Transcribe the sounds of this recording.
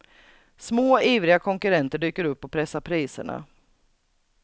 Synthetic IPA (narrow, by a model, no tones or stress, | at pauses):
smoːiːvɾɪɡakʰɔŋkɵɾɛnt̪əɖyːkəɾɵpːɔpʰɾɛsːapʰɾiːsə̰ɳa̰